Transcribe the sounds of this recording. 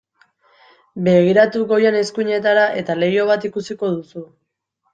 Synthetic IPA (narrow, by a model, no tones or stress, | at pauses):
be̞ɣ̞iɾat̪uɣo̞jene̞skuɲe̞t̪aɾaʔe̞t̪ale̞jo̞β̞at̪ikusiko̞ðusu